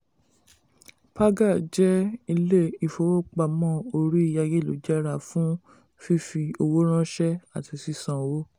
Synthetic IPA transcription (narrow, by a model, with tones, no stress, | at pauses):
pa˦ɡa˦˨d͡ʒɛ˦i˧le˦i˧˨fo˧wo˦k͡pa˧˨mɔ̃˦o˧ɾi˦i˦˨ja˧je˦˨lo˨˦d͡ʒɛ˦ɾa˨fũ˦ | fi˦fi˧o˧wo˦ɾ̃ã˦ʃɛ˦a˨ti˧˨si˦sã˨wo˦